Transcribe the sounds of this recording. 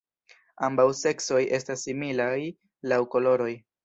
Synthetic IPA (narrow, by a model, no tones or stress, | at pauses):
ambawse̞kso̞je̞stasːimilaj | lawko̞lo̞ɾo̞j